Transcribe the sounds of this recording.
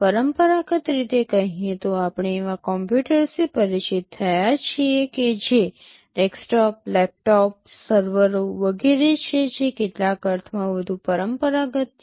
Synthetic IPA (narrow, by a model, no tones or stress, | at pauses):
pəɾəmpəɾaɡət̪ɾit̪ekəɦĩet̪oapɳ̃eːʋãkɔmpjuʈəɾsipəɾit͡ʃit̪̚ʰːəjat͡ʃʰieked͡ʒe | ʈɛksʈɔp̚lɛp̚ʈɔp̚səɾʋəɾoʋəɡeɾet͡ʃʰed͡ʒekeʈlakəɾt̪ʰmãʋəd̪ʱupəɾəmpəɾaɡət̪